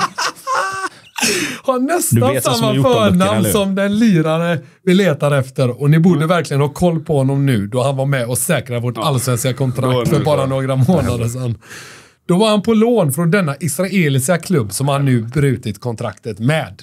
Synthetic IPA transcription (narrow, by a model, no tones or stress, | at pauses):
hanɛst̪asammːafœːɳamsɔmd̪ɛnliːɾaɾə | vɪlːeːt̪aɾɛft̪əɾɔnɪbuːɖəvæɾklɪɡənhɑːkʰɔlːpʰɔhɔnːɔmnʉ̟ːd̪ɔhanvaɾmɛɔsɛːkɾavoːʈalːsvɛnskakʰɔnt̪ʰɾakt̪fœɾbɑːɾanoːɡɾamoːnad̪əʂ̬ɛnː | d̪̥ɔvaɾhanpʰɔloːnfɾɔnd̪ɛnːaʔɪsɾaeːlɪskakʰlɵbːsɔmhanːʉ̟ːbɾʉ̟ːt̪ɪt̪kʰɔnt̪ʰɾakt̪ət̪mɛːd̪